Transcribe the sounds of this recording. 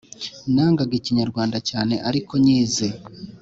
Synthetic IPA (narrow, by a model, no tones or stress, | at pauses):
naːŋɡaɡeciɲaɾɡwaːndacaːne̞ʔaɾiko̞ɲiːze